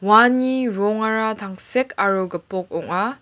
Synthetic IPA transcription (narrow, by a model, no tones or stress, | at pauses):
waniɾɔŋaɾat̪ʰaŋsekʰaɾoɡɐpɔk̚ɔŋa